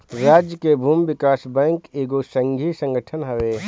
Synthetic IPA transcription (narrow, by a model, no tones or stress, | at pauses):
ɾaːd͡ʒjəkebʱuːmʋɪkaːsbɛ̃ːŋkeːɡosə̃ŋɡʱisə̃ŋɡəʈʰənɦəʋeː